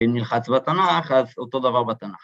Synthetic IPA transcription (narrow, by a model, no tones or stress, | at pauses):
imnilχat͡sbat̪anaχazot̪o̞d̪avaʁbat̪anaχ